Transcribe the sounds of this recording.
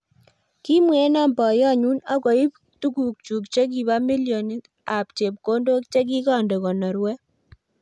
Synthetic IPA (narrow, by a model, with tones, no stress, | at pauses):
ki˦mwe˦na˦˨mbɔ˨jɔ˦˨ɲu˦na˦kɔ˨i˦ | tu˦ku˨k̚t͡ʃu˨kt͡ʃe˦k̬i˨βa˦mi˦ljo˨ni˦ | a˨pt͡ʃe˨p̚ko˦ndo˦k̚t͡ʃe˦k̬i˦kɔ˨nde˨kɔ˨nɔ˨ɾwɛ˦